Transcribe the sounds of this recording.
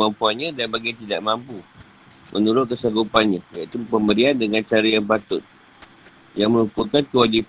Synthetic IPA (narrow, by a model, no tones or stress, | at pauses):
ampuanɲãdanbaɡit̪idaʔmãmpu | mʔənuɾʊt̪̚kəsaɡupanɲãjait̪upəmbəɾiandəŋãnt͡ʃaɾajaŋpat̪ʊt̪̚ | jaŋmə̃ɾupukankəwad͡ʒip